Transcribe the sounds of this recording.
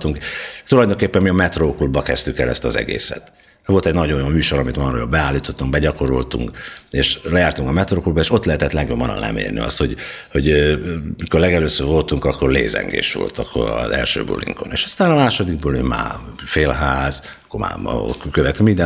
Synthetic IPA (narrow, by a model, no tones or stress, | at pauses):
t̪uŋkt̪ulɒjd̪o̞ŋkeːpːɛmmiɒmɛt̪roːkulbɒkɛst̪ykɛlɛst̪ɒzɛ̰ɡḛːsɛ̰t̪ | ɛvo̞lt̪ɛɟnɒɟonjommyːʃo̞ɾɒmit̪mɒɾojobbɛaːlːiːt̪ot̪ːuŋk̚bɛɟɒko̞ɾolt̪ṵŋkeːʃlɛjaːrt̪uŋkɒmɛt̪roːkulbɒeːʃo̞t̪lɛɦɛt̪ɛt̪lɛɡjobːɒnɒ̰nlɛ̰mḛːrnḭɒ̰st̪ho̞ɟho̞ɟ | miko̞rlɛɡɛløːsøːvo̞lt̪uŋkɒkːo̞rlḛːzɛ̰ŋɡḛːʃʋo̞̰lt̪ɒkːo̞ɾɒzɛ̰lʃø̰ːbṵlḭŋko̞neːʃɒst̪aːnɒmaːʃo̞d̪iɡ̚bulimma̰ːfeːlɦaːz | kːoma̰ːmɒ̰o̰kkøvɛt̪ymind̪ɛ